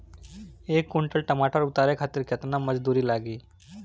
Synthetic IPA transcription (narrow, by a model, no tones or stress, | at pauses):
ekːuɳʈəlʈəmaʈʰəɾut̪aɾekʰat̪iːɾkʰət̪naməd͡zd̪uɾiːlaɡiː